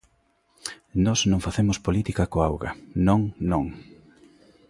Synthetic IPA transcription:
nɔsnõŋfaθemʊspolit̪ikɐkoawɣɐ̰nõŋnõŋ

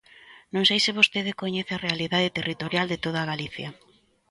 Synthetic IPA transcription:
nõŋsejsɪβ̞ost̪eðɪkoɲeθearealiðaðet̪erit̪oɾjald̪et̪oð̞aɣaliθjɐ

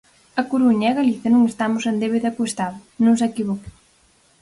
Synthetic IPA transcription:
ɐkuɾuɲaɛɣaliθjɐnũŋest̪amʊsend̪eβeðakost̪aðʊnũŋsekiβɔke̥

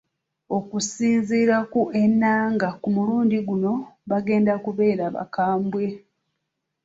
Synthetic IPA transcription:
o̞kusiːziːɾakuenːaːŋɡakumuluːndiɡuno̞βaɡe̞ːndakuβe̞ːɾaβa̰kaːmbwe̞

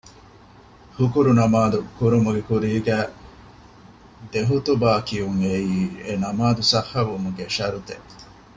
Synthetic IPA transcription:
hukuɾunɐmaːd̪ukuɾumuɡekuɾiːɡæː | d̪eɦut̪ubaːkijuŋeiːenɐmaːd̪usɐhːɐʋumuɡeʃɐɾut̪eʔ

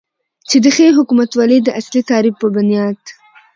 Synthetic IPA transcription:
t͡ʃed̪əxeɦʊkumat̪wɑled̪əʔaslit̪ɑɾifpːəbʊnijɑd̪

